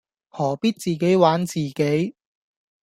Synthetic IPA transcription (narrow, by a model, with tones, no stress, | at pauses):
hɔː˨˩piː˥t̚t͡siː˨ke˨˥jwaː˨˥nt͡siː˨ke˨˥j